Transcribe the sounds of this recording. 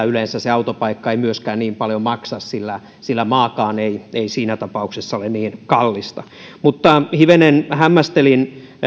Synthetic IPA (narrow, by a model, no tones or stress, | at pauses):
ylensæseɑut̪opɑikːɑeimyøskæːnniːmpɑljomɑksɑssilːæ | silːæmɑːkɑːneieisiːnæt̪ɑpɑuksesːɑolenniːnkɑlːist̪ɑ | mut̪ːɑhiʋenenhæmːæst̪elin